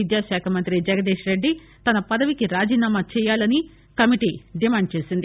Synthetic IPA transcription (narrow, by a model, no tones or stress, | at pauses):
id̪jaːʃaːkʰɐmɐnt̪ɾid͡ʒɛɡɐd̪eːʂɾe̞ɖːi | t̪ɐnɐpɐd̪ɐʋikiɾaːd͡ʒiːnaːmat͡ʃɛːjaːlɐni | kɐmiʈiɖimaːɳɖ̚t͡ʃe̞ːsind̪i